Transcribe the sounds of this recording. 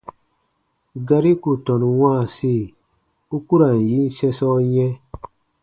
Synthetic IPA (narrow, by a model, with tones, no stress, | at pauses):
ɡa˧ɾi˦ku˨tɔ˨n˨wã˦˨si˦˨ | u˦ku˦ɾa˨n˨ji˦n˦sɛ˦sɔ˦jɛ̃˦